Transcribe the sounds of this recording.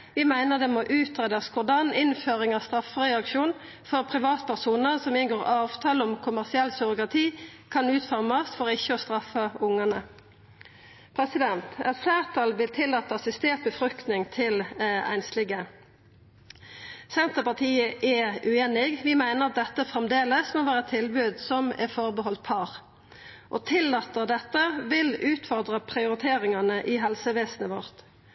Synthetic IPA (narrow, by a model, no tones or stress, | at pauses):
ʋɪmæɪnəʁd̪ɛmɔʔʉːt̪ʁeːd̪ɑskʰʊd̪ɑnɪnføːʁɪŋɑst̪ʁɑfʁɛɑkʃuːn | fɔʁpʰʁɪʋɑːt̪pʰæʁsuːnəʁsɔmɪnɡoːʁɑːʋt̪ʰɑːləɔmkʰʊmæʁsɪɛlsʏʁʊkʁɑt̪ʰiːkʰɑnʉːt̪fɔʁmɑst̪fɔʁɪçːəɔst̪ʁɑfəʊŋənə | pʰʁɛsɪd̪ɛnt̪ɛt̪flæːʁt̪ʰɑlʋɪlt̪ʰɪlːɑːt̪əɑsɪst̪eːʁt̪̚bəfɾʁʉk̚t̪nɪŋt̪ʰɪlæ̰ɪnslɪɡə | sɛnt̪əpɑʁt̪ʰiːəʔɛʉeːnɪɡʋɪmæɪnəʁɑt̪̚d̪ɛt̪ːəfʁɛmd̪eːləsmoːʋæːʁəɛt̪ʰːɪlbʉːd̪sɔmɛ̰fɔʁbəɦɔlt̪̚pʰɑːʁ | ʔɔ̰t̪ʰɪlːɑːt̪əʁd̪ɛt̪ːəʋɪlʉːt̪fɔʁd̪ʁəpʰʁɪʊɾɪt̪ʰeːɾɪŋɑnəʔɪɦɛlsəʋeːsnəʋɔʁt̪